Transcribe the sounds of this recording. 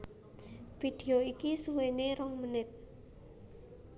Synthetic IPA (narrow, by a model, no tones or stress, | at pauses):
fid̪̥eoikisuweneɾɔŋmənɪt̪̚